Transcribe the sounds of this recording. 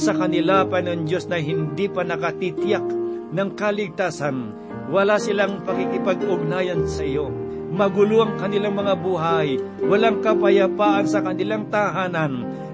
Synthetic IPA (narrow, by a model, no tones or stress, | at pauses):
sɐkɐnɪlapɐnond͡ʒo̞snɐɦɪnd̪ipɐnɐkɐt̪it̪jak̚ | nɐŋkɐlɪɡ̚t̪aːsan | wɐlasɪlaŋpɐkikɪpɐɡʊɡ̚naːjɐnsɐʔɪjo | mɐɡʊloʔɐŋkɐnɪlaŋmɐŋabuɦajwɐlaŋkɐpɐjɐpaːʔɐnsɐkɐnɪlaŋt̪aɦaːnɐn